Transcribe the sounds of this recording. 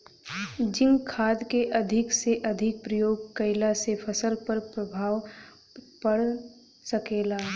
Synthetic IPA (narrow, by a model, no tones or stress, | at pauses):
d͡ʒɪ̃ŋɡkʰaːd̪keʔɐd̪ʱɪkseʔɐd̪ʱɪk̚pɾəjoːɡ̚kəɪlasefʰəsəlpəɾpɾɐbʱaːw | pɐɽ | səkeːlaː